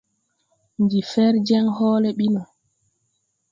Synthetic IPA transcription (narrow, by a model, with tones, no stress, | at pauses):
ɲd͡ʒi˨fɛɾd͡ʒɛ˦ŋhɔːlɛɓi˦nɔ˨